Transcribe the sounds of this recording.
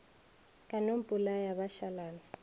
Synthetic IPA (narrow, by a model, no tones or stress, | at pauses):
kʼanom̩pʼulajaβaʃalaːna